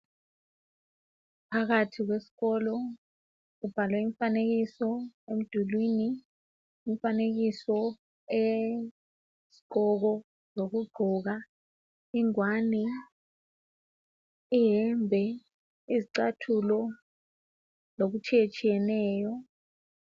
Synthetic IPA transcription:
pʰak̬atʰik̬wesi̥kɔlɔ | kub̥ʱalwɛiɱfanek̬isɔem̩d̥ʱulwiːniː | ɱfanek̬isɔ | e | si̥ǃɔk̬ɔ | zok̬uɡ͡ǃʱɔk̬a | iŋwanɛ | iɦɛmbʱɛ | iziǀatʰulɔ | lok̬ut͡ʃʰijet͡ʃʰʼijɛnɛːjɔ

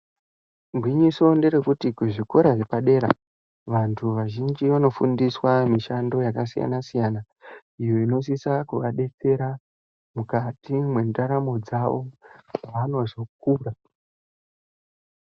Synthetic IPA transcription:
mɡwiɲiso̞nde̞ɾe̞kutikuʐiko̞ɾaʐepaɗe̞ɾa̰ | ʋantʰuʋaʒind͡ʒiʋano̞fundiswamiʃando̞jakasija̰nasijana | ijo̞ino̞s̬isakuʋaɗe̞t͡se̞ɾa | mukatimwe̞ndaɾamo̞d͡zaʋo̞aʋano̞zo̞k̚uːra

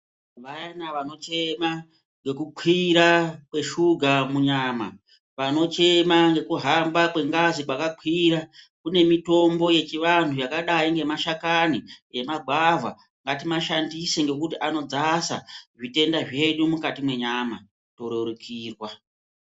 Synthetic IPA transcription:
ʋajanaʋano̞t͡ʃe̞ma | ŋɡe̞kuǃʰwiɾakwe̞ʃuɡʱamuɲaːma | ʋano̞t͡ʃe̞maŋɡe̞kuɦambakwe̞ŋɡazikwakaǃʰwiɾa | kune̞mito̞mbo̞je̞t͡ʃiʋantujakaɗaiŋɡe̞maʃakaniemaɡʱavʱa̰ | ŋɡatimaʃandiseŋɡe̞kutiʔano̞d͡zasaʐite̞ndaʐe̞ɗumukatimwe̞ɲama | to̞ɾoɾukʰiːrwa

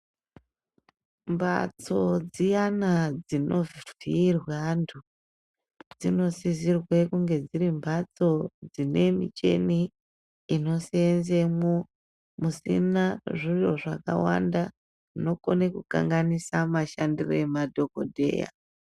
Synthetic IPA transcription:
mbʱa̰t͡so̞d͡zijanad͡zinʔo̞vvirwantʰu | d͡zino̞sizirwe̞kuŋɡe̞d͡ziɾimbat͡so̞d͡zine̞mḭt͡ʃe̞̰niː | no̞senzemo | musḭnaʐijo̞ʐaka̰wa̰nda | ino̞konekuka̰ŋɡanisamaʃandiroemadʱo̞ko̞̰dʱe̞̰ːja̰

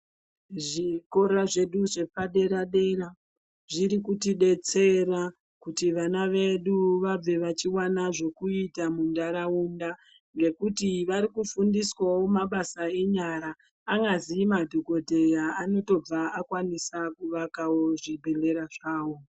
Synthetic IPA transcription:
ʐiko̞raʐe̞ɗuʐe̞paɗe̞ɾaɗe̞ra | ʐiɾikutiɗe̞t͡se̞ra | kutiʋanaʋe̞ɗuʋab͡ve̞ʋat͡ʃiwanaʐo̞kuitamundaɾaunda | ŋɡe̞kutiʋaɾikufundiswawo̞maɓasae̞ɲaɾaː | ŋɡaziːmadʱoko̞te̞jaano̞to̞b͡vaakwanisakuʋakawo̞ʐibʱe̞le̞ɾaʐaːwo̞

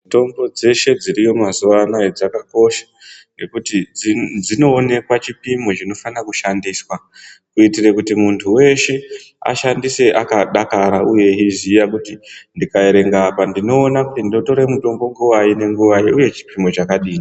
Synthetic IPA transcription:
to̞mbo̞d͡ze̞ʃe̞d͡ziɾijo̞mazuʋanaed͡zakako̞ʃḁ | ŋɡe̞kutid͡zd͡zino̞ːne̞kwat͡ʃipimo̞t͡ʃino̞fanakuʃandiːswa | kuitirekutimuntʰuwe̞ʃe̞ | a̰ʃandise̞ʔakaɗakaɾauje̞izijakutindikaeɾe̞ŋɡapandino̞ːnakutindio̞to̞ɾemuto̞mbo̞ŋɡuwaine̞ŋɡuʋajiuje̞t͡ʃi̥pimo̞t͡ʃakaɗiːni

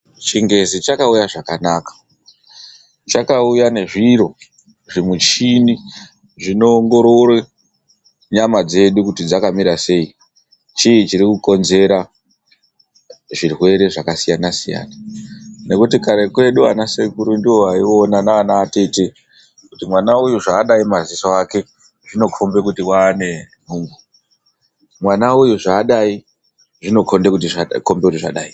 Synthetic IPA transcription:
t͡ʃiŋɡe̞zit͡ʃakaujaʐakanaːkḁ | t͡ʃakaujane̞ʐiɾo̞ | ʐimut͡ʃini | ʐino̞ːŋɡo̞ɾo̞rwe | ɲamad͡ze̞ɗukutid͡zakamiɾase̞i | t͡ʃiːt͡ʃiɾikuko̞nze̞ɾa | ʐirwe̞ɾe̞ʐakasijanasija̰ːnane̞kutikaɾe̞kwe̞ɗua̰nasekuɾundiwo̞aionanaːnaːteti | kutimwanaujuʐaːɗaimazisoake̞ | ʐino̞kʰombe̞kutiwaːne̞n̤uːŋɡu | mwanaujuʐaːɗai | ʐino̞kʰo̞nde̞kut̬iko̞mbe̞kutiʐa̰ɗaːi

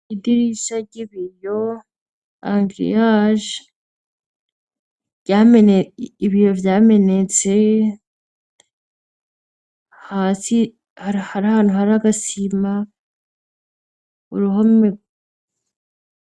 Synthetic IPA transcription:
idiɾiʃaɾɟiβijo | aŋɡɾḭjaʒ | ɟaːmeneiβijo̞vjaːme̞net͡se̞ | haːsi | haɾhaɾahaːn̥huhaɾaɡasima | ṵɾuɦommiɡ

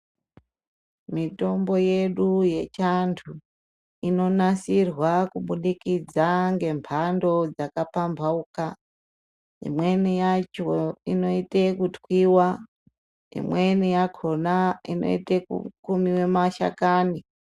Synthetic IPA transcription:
mito̞mbo̞je̞ɗuje̞t͡ʃantʰu | ino̞nasirwakuɓuɗikid͡zaŋɡe̞mpʰando̞d͡zakapambʱauka | ḭmwe̞nijat͡ʃoino̞itekutwwiwa | ḭmwe̞nijakʰo̞naḭno̞̰ḭtekṵkumiwe̞maʃa̰kaːni

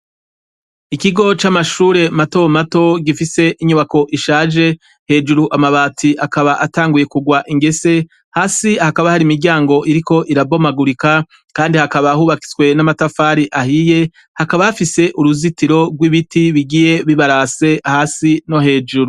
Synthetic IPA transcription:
ikiɡo̞t͡ʃamaʃuːɾe̞mato̞mato̞ɡifise̞ʔiɲuβako̞ʔiʃaːʒe̞ | he̞ːd͡ʒuɾuʔamaβaːtʰiʔakaβaʔataːŋɡuje̞kuɡwaʔiŋɡe̞se̞ | haːsihakaβahaɾimiɾɟaːŋɡo̞ʔiɾiko̞ʔiɾabo̞maɡuɾika | kaːndihakaβahuːβaki̥zwe̞namatafaːɾiʔahije̞ | hakaβaafise̞ʔuɾuzitiɾo̞ɡwiβitiβiɡije̞βiβaɾase̞ahaːsino̞he̞ːd͡ʒuɾu

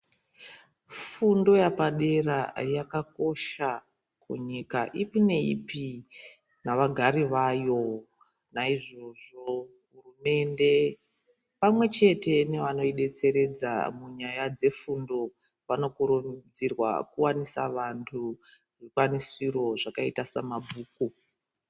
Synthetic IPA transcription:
fundo̞japaɗe̞rajakako̞ʃa | kṵɲikaʔipine̞ḭpi | naʋaɡʱaɾiʋajo̞ | naiʐo̞ʐo̞ | ɦurume̞nde̞ | pamwe̞t͡ʃe̞te̞neʋano̞iɗe̞t͡se̞ɾe̞d͡za̰muɲajad͡ze̞fundo̞ | ʋano̞kuɾud͡zirwa̰kuwanisa̰ʋantʰu | rikwanisiro̞ʐakaitasa̰mabʱuːku

